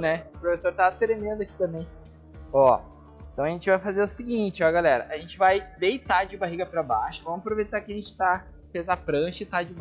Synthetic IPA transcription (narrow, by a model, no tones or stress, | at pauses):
nɛʊpɾofesoɾt̪at̪ɾemẽnd̪ʊɐki̥t̪ɐ̃mbẽj̃ | ɔ | ẽt̪ɐ̃w̃ɐʒẽnt͡ʃɪvajfazeɾʊsiɡĩt͡ʃɪɔɡalɛɾɐ̰ʔaʒẽnt͡ʃɪvajd̪ejt̪ad͡ʒɪbaɦiɡɐpɾɐbaʃʊ̥vɐ̃mʊapɾovejt̪akɪɐʒẽnt͡ʃɪ̥t̪a | pezapɾɐ̃ʃɪt̪ad͡ʒɪ